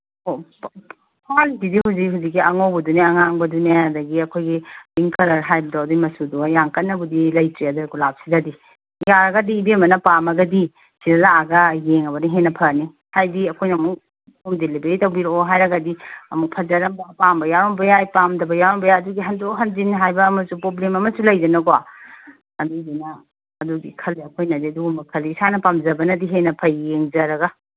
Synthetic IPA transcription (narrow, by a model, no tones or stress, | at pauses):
o | pʰalsidihuwzikɦuzik̬̚ːiɐŋowbɐduneɐŋaŋbɐduneadɐɡiɐkʰojɡibiŋkʰɐɾɐɾɦajbɐdawdimɐsudujaŋkɐtnːɐbudilɐjtɾiadɐɡulap̚sidɐdi | jaɾɐɡɐdiːbemɐnɐpamɐɡɐdi | siɾɐlaːɡɐjeŋɐbɐniɦenɐpʰɐni | hajdiɐkʰojnɐmuk̚ | umdelibeɾitɐwbiɾoɦajɾɐɡɐdiɐmuk̚pʰɐzɐɾɐmbapambɐjaɾɔmbɐjajpamdɐbɐjaɾombɐjaɐduɡiɦɐndoɦɐnzinɦajbɐːmɐzupɾoblemɐmɐsulɐjdɐnɐɡowa̰ | ɐduɡinɐː | duɡikʰɐliɐkʰojnɐdiɐduɡumɐkʰɐliːsanɐpamzɐbɐnɐdiɦenɐpʰɐːeŋzɐɾɐɡɐ